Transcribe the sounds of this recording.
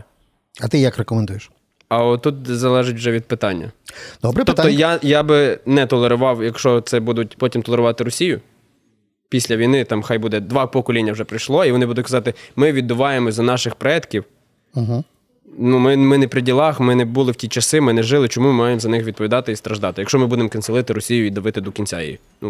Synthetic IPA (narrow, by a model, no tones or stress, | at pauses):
ɐt̪ɪjakrekɔmend̪ujeʃ | ɐɔt̪ut̪̚zɐlˠɛʒɪtʲwʒɛʋʲid̪̚pɪt̪ɑnʲːɐ̰d̪̥ɔbɾt̪ɔp̪ɔjajabɪnɛt̪ɔlˠeɾʊʋɑwjɐkʃt͡ʃɔt̪sɛbud̪ʊtʲpɔtʲimt̪ɔlˠeɾʊʋɑt̪ɪɾɔsʲijʊ | pʲisʲlʲɐʋʲijnɪt̪ɑmxɑjbud̪ɛd̪ʋɑpɔkɔlʲinʲːɐwʒɛpɾɪjʃlˠɔiʋɔnɪbud̪ʊtʲkɐzɑt̪ɪmɪʋʲid̪ːʊʋɑjemɔzʲɐnɑʃɪxpɾɔɛt̪kʲiw̩ | ɦ̩ | numɪmɪnɛpɾɪdʲilˠɑxmɪnɛbulˠɪwtʲit͡ʃɐsɪmɪnɛʒɪlˠɪt͡ʃɔmumɑjemzɐnɪxʋʲid̪̚pɔʋʲid̪ɑt̪ɪist̪ɾɐʒd̪ɑt̪ɪjɐkʃt͡ʃɔmɪbud̪emkɐnselˠɪt̪ɪɾɔsʲijʊid̪ɐʋɪt̪ɪd̪ɔkʲinʲt͡sʲa̰jḛjḭ | nu